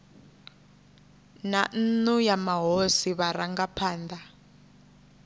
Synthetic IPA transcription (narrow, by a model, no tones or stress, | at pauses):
nan̩nujamaɦosiβaɾaŋɡapʰaːnd̪a